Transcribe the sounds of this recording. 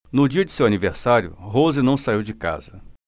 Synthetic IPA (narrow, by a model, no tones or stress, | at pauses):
nʊd͡ʒiɐd͡ʒɪsewaniveɾsaɾjʊ̰ɦozɪnɐ̃w̃saiwd͡ʒɪka̰zɐ